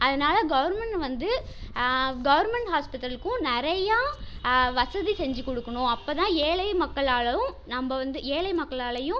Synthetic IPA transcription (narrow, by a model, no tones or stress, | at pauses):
ʔɐðɐnaːlɐɡɐʋɐɾmɛɳʈʋɐnd̪ɯ | ɡɐʋɐɾmɛɳʈɦaːspɪʈːɾɐɭɯkːʊ̃nɪɾɐja | ʋɐsɐðisɛɲd͡ʒɯkɔɽɯkːɐɳʊ̃ɐpːoːt̪ãːeːlɐɪmɐkːɐɭaːɭɐʋʊ̃nɐmbɐʋɐnd̪ɯeːlɐɪmɐkːɐɭaːɭɐjʊ̃